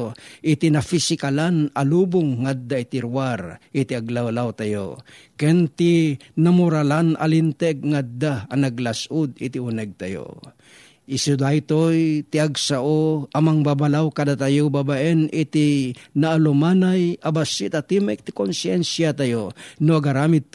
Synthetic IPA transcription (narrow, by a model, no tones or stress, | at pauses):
ʔɪt̪inafisɪkalanalubʊŋːad̪ːaɪt̪ɪɾwaɾɪt̪ɪaɡlawlawt̪ajo̰kɛnt̪inamʊɾalanʔa̰lint̪ɛɡ̚ŋad̪ːaanaɡlasʔʊd̪ɪt̪iunɛɡ̚t̪ajo̰ | ʔɪsud̪ajt̪ojt̪ɪaɡsaʔoamaŋbabalawkad̪at̪ajobabaʔɛnɪt̪inaːlʊmanajabasit̪at̪imɛk̚t̪ɪ̥konsjɛnsjat̪ajonoaɡaɾaːmɪd̪̚